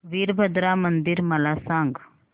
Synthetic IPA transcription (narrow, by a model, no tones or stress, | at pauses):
ʋiːɾbʱəd̪ɾamɐnd̪ɪɾmɐlaːsãːŋɡ